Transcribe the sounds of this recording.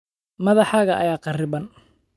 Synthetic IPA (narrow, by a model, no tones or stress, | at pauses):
mɐðɑħaːɣɐʔɐ̰jaːqɑrɪbɐn